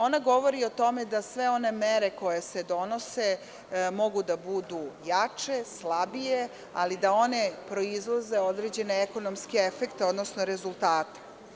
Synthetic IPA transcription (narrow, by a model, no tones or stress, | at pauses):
o̞naɡo̞ʋo̞ɾio̞t̪o̞me̞d̪asʋe̞o̞ne̞meɾe̞ko̞jese̞d̪o̞no̞se | mo̞ɡud̪abud̪ujat͡ʃe̞slabije | alid̪ao̞ne̞pɾo̞izlˠaze̞o̞d̪ɾeːd͡ʑe̞neeko̞nomskeefekt̪eo̞d̪nosnoɾe̞zulˠt̪aːt̪e̥